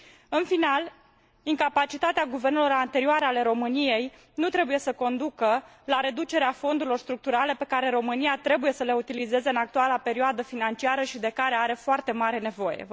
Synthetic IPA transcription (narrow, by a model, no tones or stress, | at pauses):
ɨnfinal | iŋkapat͡ʃit̪at̪eaɡuve̞rnelo̞ɾant̪e̞ɾioaɾeale̞ɾo̞mɨnije̞j | nut̪ɾe̞buje̞səko̞nd̪ukə | laɾe̞d̪ut͡ʃe̞ɾeafo̞nd̪uɾilo̞rst̪ɾuk̚t̪uɾale̞pe̞kaɾe̞ɾo̞mɨniat̪ɾe̞buje̞səle̞ut̪ilize̞ze̞ɨnak̚t̪ualape̞ɾioad̪əfinant͡ʃiaɾəʃid̪e̞kaɾe̞aɾe̞foart̪e̞maɾe̞ne̞vo̞je̞̰